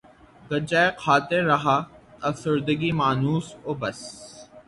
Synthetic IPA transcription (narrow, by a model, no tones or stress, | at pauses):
ɡɐd͡ʒaːeqʰaːt̪eɾːɐɦaːɐfsəɾd̪əɡimaːnuːsoːbɐs